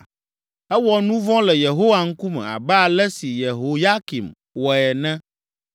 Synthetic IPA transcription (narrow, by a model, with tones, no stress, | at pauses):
ɛ˦wɔ˦nũ˦vɔ̃˦lɛ˨je˨ɦo˦wa˨ŋ̩˦ku˦mɛ̰̃˨a̰˨bɛ˦a˨lɛ˦si˨je˨ɦo˨ja˦ki˨m | wɔ˨ɛ˨nɛ̃˦